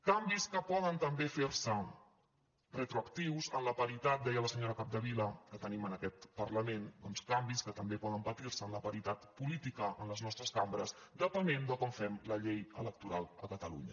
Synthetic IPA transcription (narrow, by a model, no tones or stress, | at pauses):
kambiskəpɔðənt̪əmbefeɾsə | rət̪ɾuəkt̪iwzənləpəɾit̪at̪̚d̪ɛjələsəɲoɾəkab̚d̪əβiləkət̪ənimənəkɛt̪pəɾləmend̪ɔnskambiskət̪əmbepɔðəmpət̪iɾsəːnləpəɾit̪at̪pulit̪ikəʔənləznɔst̪ɾəskambɾəzd̪əpənend̪əkɔmfɛmləʎejələk̚t̪uɾalˠəkət̪əlṵɲə̰